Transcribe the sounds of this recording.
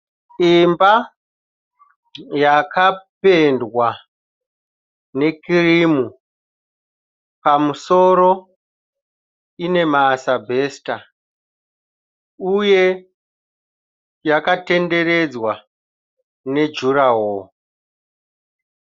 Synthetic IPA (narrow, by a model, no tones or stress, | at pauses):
imba | jakʰape̞ndwa | ne̞kirimu | pamuso̞ɾo̞ | ine̞maːsabʱe̞ːsta | uje̞ | jakate̞nde̞ɾe̞d͡zwa | ne̞d͡ʒuɾaɦwo